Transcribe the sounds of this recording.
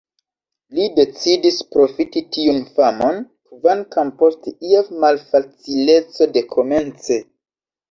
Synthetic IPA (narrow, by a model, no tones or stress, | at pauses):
lide̞t͡sidispɾo̞fititiunfamo̞n | kvankampo̞steiefmalfat͡sile̞t͡so̞de̞kʰo̞me̞nt͡se̞